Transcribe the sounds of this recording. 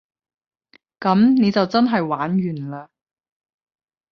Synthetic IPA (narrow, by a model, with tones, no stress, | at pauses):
kɐ˨˥mne˨˧jt͡sɐ˨wt͡sɐ˥nɦɐ˨jwaː˨˥nɥyː˨˩nlaː˧